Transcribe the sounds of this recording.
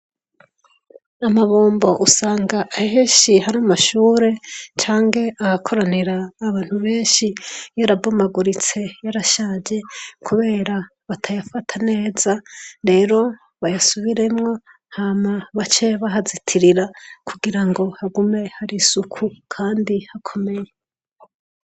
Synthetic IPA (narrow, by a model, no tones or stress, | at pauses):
amaβoːmbo̞ʔusaːŋɡaʔːɦeːʃihaɾamaʃuːɾe̞t͡ʃaːŋɡe̞ʔahakʰo̞ɾaneɾaːβaːn̥huβe̞ːnʃijaɾabomaɡuɾit͡se̞jaɾaʃaːd͡ʒe̞kʰuβe̞ːɾa | βatʰajafatʰane̞ːzaɾe̞ːɾo̞ | βajasuβiɾe̞mŋo̞ | haːmaβat͡ʃe̞βaɦazitʰiɾiɾakʰuɡiɾaŋɡo̞haɡume̞haɾisukʰukʰaːndihakʰo̞me̞je